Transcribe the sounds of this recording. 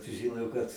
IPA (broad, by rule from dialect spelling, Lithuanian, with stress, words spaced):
sʊˈʒʲɪˈnoː kɐt